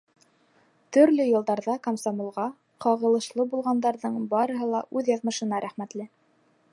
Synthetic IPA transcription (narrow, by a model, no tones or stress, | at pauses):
t̪ɵ̆ɾlɵjɤ̆lˠd̪ɑɾðɑkamsomolˠʁɑ | qɑʁɤ̆lˠɤ̆ʃlˠɤbulˠʁɑnd̪ɑɾðɤɴbɑɾɤ̆ɦɤlˠɑʔʉðjɑðmɤ̆ʃɤ̆nɑɾʔæχmæt̪lɘ